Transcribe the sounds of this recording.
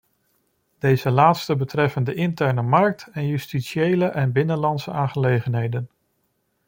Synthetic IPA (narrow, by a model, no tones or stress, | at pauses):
d̥ejzəlaːtstəbətrɛfəndəʔɪntɛɹnəmɑɹk̚tɛnjystitʃiejləʔɛnbɪnənlɑntsəaːχəlejχənɦejdən